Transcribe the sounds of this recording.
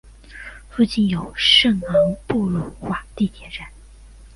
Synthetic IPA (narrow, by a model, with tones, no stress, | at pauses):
fu˥˧t͡ɕi˥˩njo˨˩ʊʂɤ˥˩ŋɑ˧˥ŋpu˥˩lə˨˩nxwa˥˩t̪i˥˩t̪ʰjɛ˧˥ʈ͡ʂa˥˩˦n